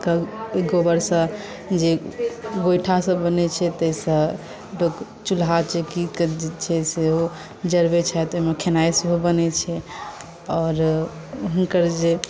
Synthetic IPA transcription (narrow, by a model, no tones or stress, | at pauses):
kaeɡobəɾsə̃ | d͡ʒeɡojʈʰasə̃bənɛt͡ʃʰɛt̪əisə̃ | lok | t͡ʃulɦat͡ʃʰekikt͡ʃʰɛseo | d͡ʒəɾbet͡ʃʰaɛt̪ojmekʰenajsɦobənɛt͡ʃʰɛ | ɔːɾ | ɦunkəɾd͡ʒe